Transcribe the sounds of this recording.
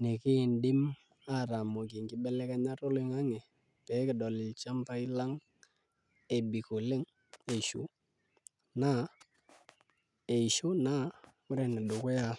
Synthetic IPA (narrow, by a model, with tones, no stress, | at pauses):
ne˨kɪ˦˨ndɪ˦m | a˦˨ɾa˨mɔ˨kɪ˨ŋɡɪ˦bɛ˦lɛ˦ka˦ɲa˦to˦lɪ˦ŋa˦ŋɛ˨ | pɛ˨˦kɪ˨dɔ˨lɪ˨lt͡ʃa˦mpa˦i˦la˦ŋ | e˨bi˨ko˨lɪ˦ŋ | e˨ʃṵ˨ | na˦ | e˨i˨ʃʊ˦na˦ŋʊ˦ɾɛ˨nɛ˨do˨kʊ˦ja˦˨